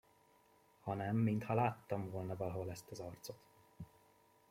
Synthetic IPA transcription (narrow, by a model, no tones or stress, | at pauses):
hɒnɛmːint̪hɒlaːt̪ːɒɱvolnɒvɒlɦo̞lɛst̪ɒzɒrt̪so̞t̪